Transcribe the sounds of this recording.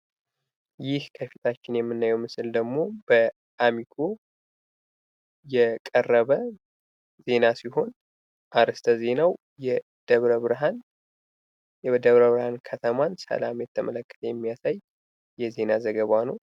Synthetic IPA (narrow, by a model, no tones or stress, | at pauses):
jɪhkʰəfit̪ʰat͡ʃːɪnjɛmːɨnːajɛwmɨsɨld̪əɡmo̞bə | ʔamiɡo | jɛkʼərːəβə | ze̞nasiɦo̞n | ʔaɾɨst̪ʰəze̞naw | jɛ | d̪̥əβɾəβɾɦan | d̪əβɾəβɾhankʰət̪ʰəmansə̰lamjɛt̪ʰːəmʔələkːə̥t̪ʰəjɛmːijasajː | ɛze̞nazəɡəβanəw